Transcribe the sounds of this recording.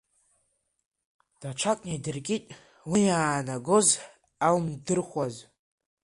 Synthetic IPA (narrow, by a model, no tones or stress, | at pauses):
d̥aʈ͡ʂʷʰakʷʼnejdɨrkʲʼitʼ | wijaːnaɡoz | almdɨrχʷaz